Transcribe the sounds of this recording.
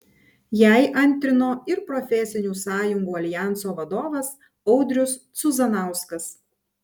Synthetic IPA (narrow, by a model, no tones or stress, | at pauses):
jæˑɪʔɐnʲˑt̪ʲɾʲɪnoːɪɾpɾɔfʲɛsʲɪnʲuːsɑːjʊŋɡuːɐlʲɪjæˑnt̪soːʋɐd̪oːʋɐs | ɔʊd̪ʲɾʲʊst̪sʊzɐnɑˑʊskɐs